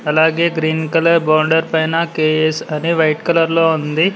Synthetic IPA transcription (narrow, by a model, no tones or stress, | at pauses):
ɐlaːɡeːɡɾiːnkɐlɐɾbaːɳɖɐɾpɐjnɐkeːesɐniʋɐjʈkɐlɐɾloːund̪i